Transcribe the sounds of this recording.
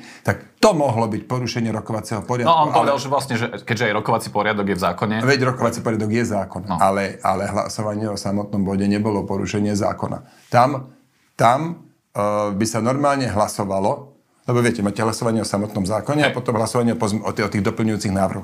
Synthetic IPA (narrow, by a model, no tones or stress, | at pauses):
t̪akt̪ɔmɔɦlɔbicpɔɾuʃɛɲɪɛɾɔkɔʋat͡sɛɦɔpɔɾɪanɔɔːnuɔʋɛd̪alʒɛʋlasɲɛʒɛkɛɟʒɛajɾɔkɔʋat͡sipɔɾɪad̪ɔɡjɛvzaːkɔɲɛʋɛɟɾɔkɔʋat͡sipɔɾɪad̪ɔɡjɛzaːkɔnalɛa̰lɛɦla̰sɔʋaɲɪɛɔsamɔt̪nɔmbɔɟɛɲɛbɔlɔpɔɾṵʃɛɲɪɛza̰ːkɔna̰ | t̪am | t̪am | bisanɔɾmaːlɲɛɦlasɔʋalɔ | lɛbɔʋɪɛcɛmaːcɛɦlasɔʋaɲɪɛɔsamɔt̪nɔmzaːkɔɲɛapɔt̪ɔmɦlasɔʋaɲɪɛɔzɔɔt̪iːɣd̪ɔpl̩ɲujuːt͡siɣnaːʋr̩ɦɔx